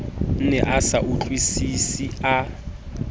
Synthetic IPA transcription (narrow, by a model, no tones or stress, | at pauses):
n̩nɛʔasaʔut͡ɬʼwisisia